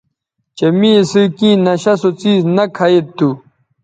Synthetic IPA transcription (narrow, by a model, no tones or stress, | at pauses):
t͡ɕemĩsɨkĩːnɐɕɐsot͡siːznɐkʰajet̪ːu